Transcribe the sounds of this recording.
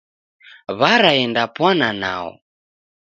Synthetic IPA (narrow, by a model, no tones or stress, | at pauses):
βaɾaɛndapwanana̰ɔ̰